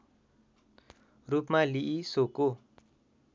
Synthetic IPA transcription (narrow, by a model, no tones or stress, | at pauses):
rupmaliʔisoko